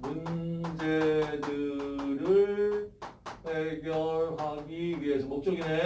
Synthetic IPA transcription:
mund͡ʑedɯɾɯɭ | heɡjʌɭɦaɡiɥiɦe̞sʰʌmok̚t͡ɕ͈oɡine

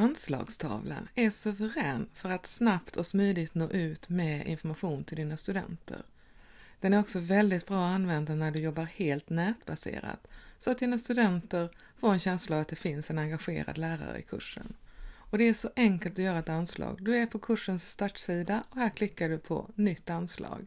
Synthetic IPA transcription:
anslɑ̰ːɡst̪ʰɑ̰ːvlə̰næʂɵvəɾɛːnfœɾat̪snapt̪ʰɔsmyːd̪ɪɡt̪noːʔʉ̟ːt̪mɛɪ̰nfɔɾmaɧuːnt̪ʰɪld̪iːnast̪ɵd̪ɛ̰nt̪ʰə̰ɾ | d̪̥ɛnæɾɔksɔvɛld̪ɪt̪̚bɾɑːanːvɛnd̪anæɖɵjɔbːaɾheːlt̪nɛːt̪basḛːɾa̰t̪sɔat̪d̪iːnast̪ɵd̪ɛnt̪əɾ | foːɾɛnɕɛnslavat̪̚d̪ɛfɪnsɛnaŋɡaɧḛːɾa̰d̪læːɾa̰ɾə̰ɪ̰kʰɵ̰ʂːə̰nɔd̪ɛæʂɔʔɛŋkəlt̪ɔjœːɾaɛt̪anslɑ̰ːɡd̪ɵæɾpʰɔkʰɵʂːənsːt̪aʈsiːd̪aɔhæːɾkʰlɪkːaɖɵpʰɔ̰nʏt̪ːanslɑ̰ːɡ

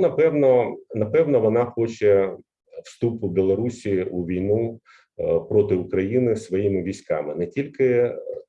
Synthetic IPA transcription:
nɐpɛwnɔnɐpɛwnɔʋɔnɑxɔt͡ʃɛ | w̥st̪upʊbʲilˠɐɾusʲiuʋʲijnu | pɾɔt̪ɪʊkɾɐjinɪsʋɔjimɪʋʲisʲkɑ̰mɪnɛtʲilʲkɪ

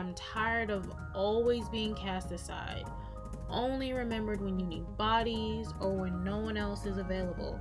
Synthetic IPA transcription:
ɪ̃mtʰaɪə˞ɾʌv | ɔlˠwizbiɪ̃ŋkʰæstɨsa̰ɪd | ʔõʊ̃nliɹɨmɛ̃mbə˞d̚wɨ̃njɨnid̚bɑɾizə˞wə̃nːoʊwʌ̃nɛlˠsɨzɨveɪlˠəb̰l̩ˠ

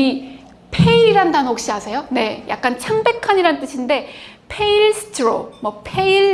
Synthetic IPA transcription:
i | pʰeiiɾandanɯnok̚ɕ͈iɦasʰe̞jone̞jʔa̰k̚k͈ant͡ɕʰaŋbe̞kʰaɲiɾanɯnt͈ɯɕʰinde̞ | pʰe̞iɭsʰɯ̥tʰɯɾo̰mwʌpʰe̞iɭ

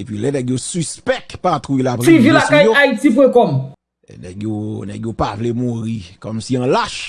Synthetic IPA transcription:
epɥilɛnɛɡjosyspɛk̚tpat̪ʁujilapɣfivilaskajjoaitip̬wɛkɔm | lɛ̰nɛ̰ɡjonɛɡjopavlemuɣikɔmsiɐ̃laʃ

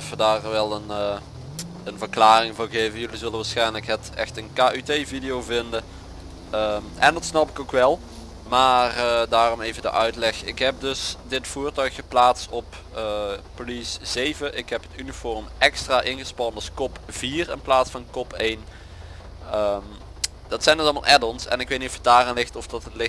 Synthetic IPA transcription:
ɛfədaːrʋɛlˠən | ənvərklaːrɪŋvʊːɹɣejvəjɵlizɵlənʋaːsxɛjnləkɦətɛ̰xtənkaːʔytejvidɪjowvɪndə | əmɛ̰ndɑtsnɑpɪkowkʋɛlˠ | maːrdaːrɔmejvəndə̰ʔœɥtlɛxɪ̰kɦɛp̚dɵsdɪtfuːrtœɥkəplaːtstɔp | əpoliszejvəʔɪkɦɛpɦətynifɔrmɛkstraːʔɪnɣəspɑnɑlˠskɔpv̥iːrɪnplaːtsfɑnkɔpʰejn | əm | dɑtsɛjndəzɑlˠma̰lˠʔɛdɔnsɛ̰nɪkʋetnitɔfhədaːranlɪxtɔfdɑtətlɪ

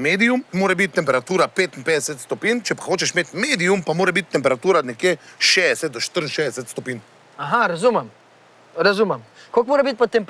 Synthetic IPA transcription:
meːd̪ijummoːɾɛbit̪̚ːɛmpɛɾat̪uːɾapeːt̪impeːd̪ɛsɛt̪st̪ɔpiːnt͡ʃɛpḁxoːt͡ʃɛʃmeːt̪meːd̪ijumpamoːɾɛbit̪̚ːɛmpɛɾat̪uːɾanɛkjeʃeːɛsɛt̪̚d̪ɔʃt̪əɾn̩ʃɛdɛsɛt̪st̪ɔpiːn | aɦaɾazumɛm | ɾazuːmɛmkolkmoːɾɛbit̪̚pɔt̪ːɛmp

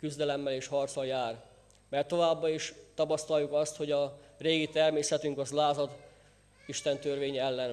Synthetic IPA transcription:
kyzd̪ɛlɛmːɛleːʃhɒrt̪sɒljaːr | mɛrt̪ːo̞vaːbːɒiʃt̪ɒpɒst̪ɒjukɒst̪ho̞ɟɒreːɡit̪ɛrmeːsɛt̪yŋkɒzlaːzɒd̪ | iʃt̪ɛnt̪ørveːɲɛlːɛn

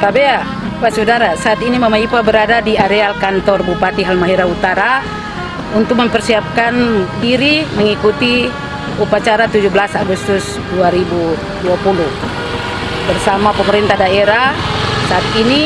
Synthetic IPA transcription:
kabea | pasudaɾasaːt̪inimamaipabəɾadadiaɾealkant̪ɔrbupat̪iɦalmaɦiɾaut̪aɾa | unt̪ʊk̚məmpɛrsiap̚kandiɾiməŋikut̪i | upat͡ʃaɾat̪ud͡ʒubəlasaɡust̪ʊs | duaɾibu | duapuluh | bərsamapəməɾint̪adaeɾasaat̪̚ini

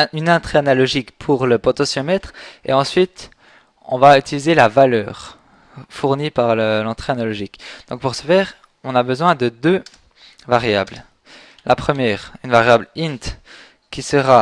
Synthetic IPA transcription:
ynɛ̃t̪χeanalɔʒikpʰuʁləpɔt̪ɔsjɔmɛt̪χḛɑ̃sɥit̪ | ɔ̰̃vayt̪ilizelavalœːʁ | fuʁnipaʁləlɑ̃t̪χeanalɔʒikd̪̥ɔ̃k̚puʁsə̥fɛːʁ | ɔ̃nabəzwɛ̃d̪əd̪ø | vaʁjabl | lʔapχəmjɛːʁynvaʁjablint̪ | kʲisəʁa

